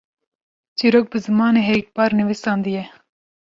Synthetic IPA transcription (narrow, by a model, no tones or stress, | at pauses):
t͡ʃiɾoːk̚bɨzɨmɑːneɦeːk̚pɑːɾniʋisɑːnd̪ijɛ